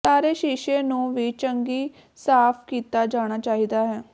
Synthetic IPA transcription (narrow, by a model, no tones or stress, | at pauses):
saːɾeːʃiːʃeːnũːʋiːt͡ʃəŋɡiː | saːpʰkiːt̪aːd͡ʒaːɽ̃aːt͡ʃaːɦiːd̪aːɦɛː